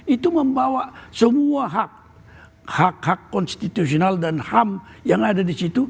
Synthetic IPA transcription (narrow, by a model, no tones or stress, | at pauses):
it̪uməmbawasəmuaɦak̚ | hakhakːɔnst̪it̪us̬ionaldanhamjaŋadadisit̪u